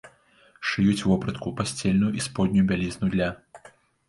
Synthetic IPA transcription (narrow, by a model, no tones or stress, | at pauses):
ʂɨjut͡sʲvɔpɾɐt̪kupasʲt͡sʲelʲnujuʔispɔd̪̚ʲnʲujubʲalʲiznujud̪lʲa